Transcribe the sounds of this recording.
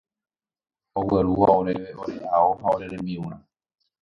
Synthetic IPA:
oweɾuʋaoɾeeoɾehaoɦaoɾe̞ɾẽmbiũɾ̃ã

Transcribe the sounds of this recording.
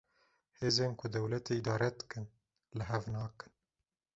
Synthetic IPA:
heːzeːnkʷʰʊd̪ɛwlɛt̪eid̪ɑːɾɛd̪ɨ̥kɨn | lɨɦɛvnɑːkɨ̥n

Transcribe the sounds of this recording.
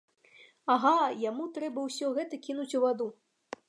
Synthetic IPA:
aɣajamut̪ɾɛbɐwsʲɔɣɛt̪ɐkʲin̪ut͡sʲuvad̪u

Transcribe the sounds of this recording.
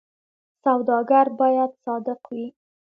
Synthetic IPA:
sawd̪ɑɡaɾbɑjad̪sɑd̪ɪqwi

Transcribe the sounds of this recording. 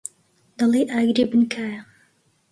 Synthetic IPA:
d̪̥ɐlˠejʔaːɡɾebɨnkʰaːja

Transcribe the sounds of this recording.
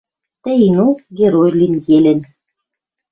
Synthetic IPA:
t̪ɘ̆jnuɡʲeɾojlʲinjelʲɘ̆n

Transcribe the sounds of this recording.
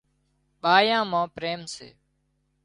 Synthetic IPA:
ɓaːjãːmãːpɾeːmsḛː

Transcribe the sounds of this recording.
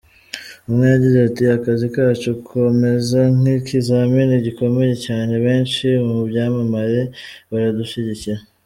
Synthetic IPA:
umŋejaɟizeatiakazikaːt͡ʃukʰo̞me̞zaŋikʰizaminiɟiko̞me̞je̞caːne̞βe̞ːnt͡ʃimubɟaːmamaɾe̞βaɾaduʃiɟiciɾa

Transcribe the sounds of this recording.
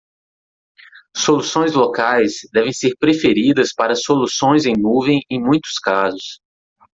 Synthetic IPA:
solusõj̃zlokajsd̪ɛvẽj̃seɾpɾefeɾid̪ɐspaɾɐsolusõj̃zẽj̃nuvẽj̃ẽj̃mũj̃t̪ʊ̥skazʊs

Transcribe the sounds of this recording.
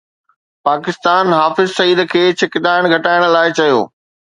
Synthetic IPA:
paːkɪst̪aːnɦaːfɪzsɐiːd̪̆kʰeːt͡ɕʰɪkɪd̪aːɪɽ̃ɡʱɐʈaːɪɽ̃laːɪt͡ɕɐjo̰ː

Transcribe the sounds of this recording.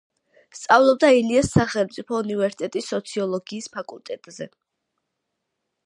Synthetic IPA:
st̪sʼavlˠɔb̚d̪ailiasːaχɛlˠmt̪sʼipʰɔunivɛɾsit̪ʼɛt̪ʼisːɔt̪sʰiɔlˠɔɡiːspʰakʼulˠt̪ʼɛt̪ʼzɛ

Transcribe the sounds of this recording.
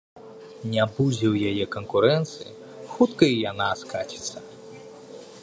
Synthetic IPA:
nʲabud͡zʲɛwjajɛkɐnkuɾɛnt̪sɨjḭ | xut̪kɐijanaskat͡ɕʲi̥t̪sɐ

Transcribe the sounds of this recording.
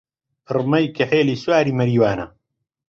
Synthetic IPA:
rmɐjkʰɐħeːliːswaːɾiːmɐɾiːwaːnɐ̰

